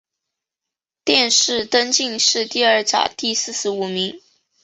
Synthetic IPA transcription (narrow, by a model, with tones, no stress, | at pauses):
t̪jɛ˥˧nʂɻ̩˥˧t̪ə˥nt͡ɕi˥˧ŋʂɻ̩˥˧t̪i˥˧ə˞˥˩t͡ɕjɑ̰˨˩ʊt̪i˥˧sɹ̩˥˩ʂɻ̩˧˥u˨˩mi˧˥ŋ